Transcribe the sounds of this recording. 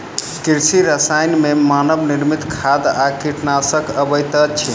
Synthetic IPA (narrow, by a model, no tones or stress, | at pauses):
kiɾsiɾəsajnmemanəbniɾmit̪kʰad̪akiʈʰnasəkəbəjt̪ət͡ʃʰi